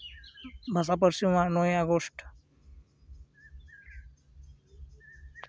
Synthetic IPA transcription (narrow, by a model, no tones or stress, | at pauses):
bʱəs̬ap̬əɾsiãnojaɡoʂʈ